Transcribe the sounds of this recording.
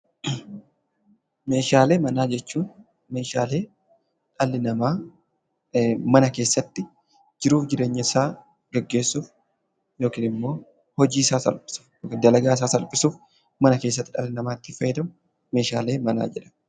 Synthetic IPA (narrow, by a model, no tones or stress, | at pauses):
me̞ːʃaːle̞ːmɐnaːd͡ʒɛt͡ʃːuːn | me̞ːʃa̰ːle̞ː | ᶑɐlːɪnɐmaː | mɐnɐkeːsːɐt̪ːɪ | d͡ʒɪɾuːfd͡ʒɪɾe̞ːɲːɐɪsaː | ɡ̥ɛɡːe̞ːsːuːf | jo̞ːkiːnɪmːo̞ː | hɔd͡ʒiːɪsaːsɐ̰lpʼɪ̥sʊ̥fjoːkːnd̪ɐlɐɡaːɪsaːsɐlpʼɪsuːf | mɐnɐke̞ːs̬ːɐt̪ːɪᶑɐlːɪnɐmaːt̪ːɪfɐjɛd̪ɐmʊ | me̞ːʃaːle̞ːmɐna̰ːd͡ʒɛᶑɐ̥